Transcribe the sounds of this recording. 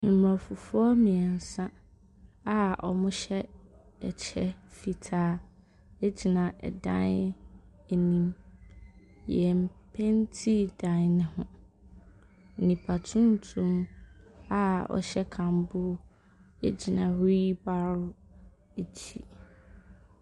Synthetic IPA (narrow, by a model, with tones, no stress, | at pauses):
n̩˨m˨a˨fʊ˨fʊ˦ɔ˦mĩ˨ɛ˨n̩˨sã˦ | a˦ɔ̰˨mʊ̃˦ɕɛ˦ | ɛ˨t͡ɕʰɛ˦fi˨tʰaː˨˦ | e˦d͡ʑi˨nã˨ʔɛ̰˨dã̰˦n | e˨nĩ˦m | jɛ˨m̩˨pʰɛ̃˦n˦tʰi˦dã˨nnɪ̃˦hʊ̃˦ | n̩˨nĩ˨pʰa˨tʰũ˦n˦tʰũ˦m | a˦ɔ̰˨ɕɛ˦kʰã˨mbʊ˦ | ḛ˦d͡ʑi˨nã˨ɾi˦ba˦ɾʊ˦ | e˨d͡ʑʰi˦